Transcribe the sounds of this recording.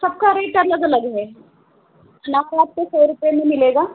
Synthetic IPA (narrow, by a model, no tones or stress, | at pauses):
sɐb̚kaɾeːʈɐləɡɐləɡɦɛː | ɐnaːkaːt̪̚kesoːɾʊpemẽmɪleːɡaː